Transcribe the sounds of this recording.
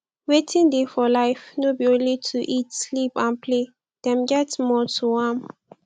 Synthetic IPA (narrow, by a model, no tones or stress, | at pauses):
wetʰĩndefɔlaɪfnobiõnlitʰuʔitslipãnpʰle | d̥ɛ̃mɡɛtmɔtʰuwãm